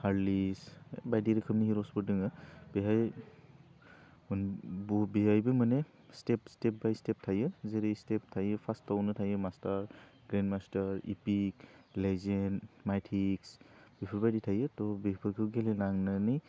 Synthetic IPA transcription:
haɹlisbajdiɾikʰɯmniɦiɾɔspɔdɯŋɯb̥ɛɦaj | mnbɔbiɦajbɯmanɛ | stepstep̚bajstep̚tʰajɯzeɾestep̚tʰajɯpʰastɔwnɯtʰajɯmastaɹɡɹɛndmastaɹḭpiklezenmajtʰiksb̥ipʰɔɹbajditʰajɯtɔbipʰɯkʰɯɡelɛnaŋnanɯj

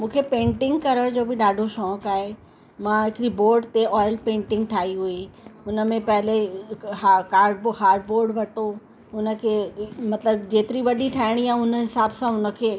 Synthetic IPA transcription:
mũːkʰepẽːɳʈɪ̃ŋɡkɐɾəɽd͡ʑoːbɪɗaːɖʱoʃɔːkaːɦe | mãɦɪkɪɾiboːɾɖt̪eʔɔːɪlpẽːɳʈɪ̃ŋɡʈʰaːɦiɦuiʊnə̆mẽpɐɦɪleɦakaːɾɖbhaːɾɖboːɾɖʋɐt̪o | ʊnə̆kʰeːmɐt̪ləbd͡ʑeːt̪ɪɾiʋɐɗiʈʰaːɪɽ̃iãʊnəɦɪsaːbsãʊnə̆kʰeː

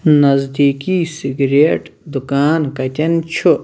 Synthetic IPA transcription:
nɐzd̪iːkiːsiɡɾeːʈd̪ukaːnkɐt̪ʲɐnt͡ʃʰu

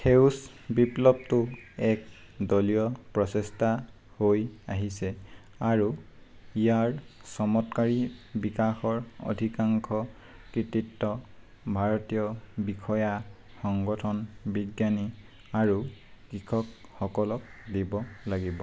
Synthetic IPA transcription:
xʰews | biplɔb̚tʊɛk | dolijɔpɹɔsɛsta | hoja̰ɦisɛ | aɹu | ijaɹsɔmɔtkaɹibikaxɔɹo̰dʱikaŋkʰɔ | kɹititːɔ | bʱaɹɔtijɔbikʰɔja | xɔŋɡɔtʰɔnbiɡjani | aɹukɹikʰɔkxɔkɔlɔk̚dibɔlaɡibɔ

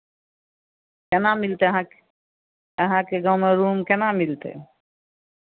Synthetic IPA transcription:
kenamilt̪eɦã | əɦãkeɡawmeɾumkenamilt̪ḛ

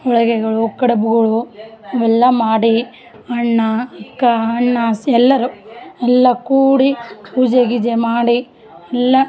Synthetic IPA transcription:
ɔɭɐɡeɡɐɭukɐɽɐbuɡɐɭuɐʋɛlːɐmaːɽi | ɐɳːɐɐkːɐɐɳːɐsɛlːɐɾuɛlːɐkuːɽipuːd͡ʒeɡid͡ʒemaːɽi | ɛlːɐ

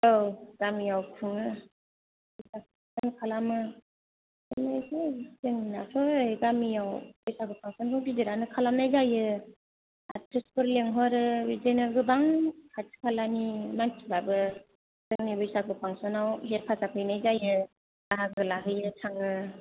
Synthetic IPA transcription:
owɡ̥amijawpʰɯŋɯ | bsak | sankʰalamɯ | ɯnɯjsesɯŋnatʰɔɯjɡamijawbɯjsakɯpʰaŋsɔnkʰɯŋbiziɾanɯkʰalamnajzajɯ | a̰tʰespɯɾleŋɦɔɾɯɾizajnɯɾɡɯbaŋpʰat͡ʃi̥pʰalanimantʰibabɯ | sɯŋnibɯjsakʰɯpʰaŋsɔnawɦet̚pʰasapʰɯjnajzajɯ | aɦakɯlaɦɯjɯtʰaŋɯ

